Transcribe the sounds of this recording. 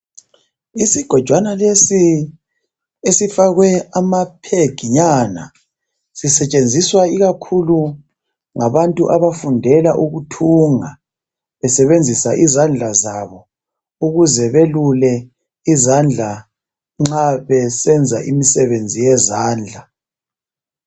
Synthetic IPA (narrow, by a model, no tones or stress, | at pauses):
isiɡ̥ʱɔd̥ʒ̥ʱwanalesi | esifaɣwɛamapʰeɡ̥ʱiɲana̰ | sisɛt͡ʃʼend͡zʱiswaiɣakʰulu | ŋaβantʼuʔaβafundʱɛlaʔuɣutʰuŋa | βɛsɛβend͡zʱisaʔizand͡ɮʱazaβɔ | uɣuzɛβelulɛ | izand͡ɮʱa | ŋ͡ǁaβɛsɛnd͡zʱa̰ʔimisɛβend͡zʱijɛzaːnd͡ɮʱa